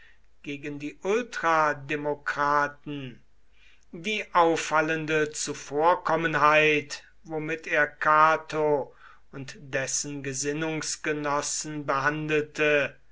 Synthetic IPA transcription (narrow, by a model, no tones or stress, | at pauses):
ɡ̥eːɡəndiːʔʊltʁ̥ademokʁ̥aːtn̩ | diːʔaʊfaləndət͡sufoːɐkɔmənɦaɪt | vomɪtʰeːɐkʰaːtʰo | ʊntd̥ɛsn̩ɡəzɪnʊŋsɡ̥ənɔsn̩bəɦandl̩tə